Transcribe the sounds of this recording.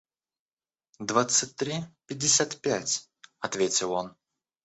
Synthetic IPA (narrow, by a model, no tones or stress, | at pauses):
d̪vat̪sɨt̚ʲt̪ɾʲipʲɪdʲːɪsʲat̪pʲætʲ | ɐt̪vʲetʲɪlˠo̞n